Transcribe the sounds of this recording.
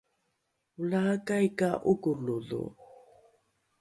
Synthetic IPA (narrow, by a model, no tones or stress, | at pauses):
ulakajkaʔukunulṵ